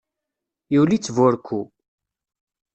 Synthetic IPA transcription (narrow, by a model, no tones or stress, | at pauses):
jiwlit͡sːvʊɾkʰːu